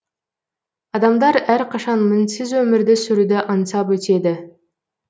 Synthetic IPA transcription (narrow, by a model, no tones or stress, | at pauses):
ɑd̪ɑmd̪ɑɾæɾqʰɑʃɑnmɪnsɪzwɵmɪɾd̪ɪsʏɾud̪ɪʔənsɑpwɵt̪e̞d̪ɪ